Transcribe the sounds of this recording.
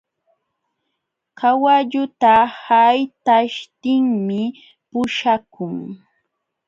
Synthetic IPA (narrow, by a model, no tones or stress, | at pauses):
kawaʎʊt̪ahajt̪aʃt̪ɪŋmɪ | pʊʃakʊŋ